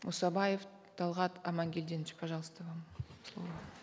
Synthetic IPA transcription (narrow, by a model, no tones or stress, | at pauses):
mʔusɑbɑjef | t̪ʰɑlˠʁɑt̪ɑmɑŋɡʲeld̪e̞nʃɪ̥pʰɑʒɑlˠəst̪əvɑmslˠo̰lˠɑ